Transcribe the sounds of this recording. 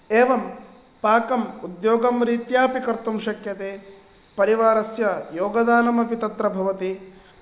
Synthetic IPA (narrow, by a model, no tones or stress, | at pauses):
eːʋɐm | paːkɐmud̪joːɡɐmɾiːt̪jaːpikɐɾt̪umʃɐkjɐt̪eː | pɐɾiʋaːɾɐsjɐjoːɡɐd̪aːnɐmɐpit̪ɐt̪ɾɐbʱɐʋɐt̪i